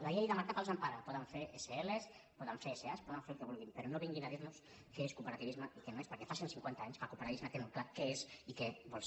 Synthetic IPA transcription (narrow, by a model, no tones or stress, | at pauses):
laʎejðəmaɾkapalzampaɾapɔðəɱfeɾʔeseeles | pɔðəɱfeɾeseaspɔðəɱfelkeβulˠɣimpəɾonoβiŋɡinaðiɾnus | keeskupəɾat̪iβizmaʔikenoespɐɾkɛfasinsiŋkwent̪aaɲskalkupəɾaizmat̪eŋuklakeezikeβɔlˠs